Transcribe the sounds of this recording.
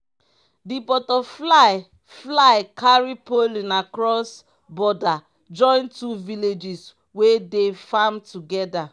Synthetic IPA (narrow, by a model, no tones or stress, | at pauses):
dipɔtɔflaj | flajkʰaɹipolĩnakɹɔs | bɔda | d͡ʒɔ̃ɪ̃ntuviled͡ʒis | wedefamtuɡɛda